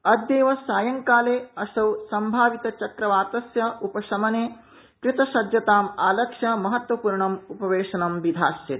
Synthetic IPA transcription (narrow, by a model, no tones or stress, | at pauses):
ɐd̪jeːʋɐsaːjɐŋkaːleːɐsɐwsɐmbʱaːʋit̪ɐt͡ʃɐkɾɐʋaːt̪ɐsjɐupɐʃɐmɐneː | kɾɪt̪ɐʃɐd̪jɐt̪aːmaːlɐkʂɐmɐɦɐt̪wʋɐpuːɾɳɐmupɐʋeːʂɐnɐmʋid̪ʱaːsjɐt̪